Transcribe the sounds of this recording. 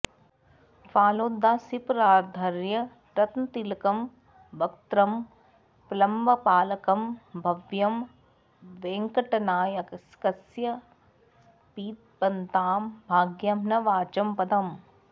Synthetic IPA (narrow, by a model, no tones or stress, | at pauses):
faːloːd̪ːaːsipɾaːd̪ʱɐɾjɐ | ʈɐt̪nt̪ilkɐm | ʋɐkt̪ɾɐm | plɐmbɐpaːlɐkɐmbʱɐʋjɐm | ʋeːŋkɐʈɐnaːjɐkskɐsjɐ | piːt̪̚pɐnt̪aːmbʱaːɡjɐmnɐʋaːt͡ʃɐmpɐd̪ɐm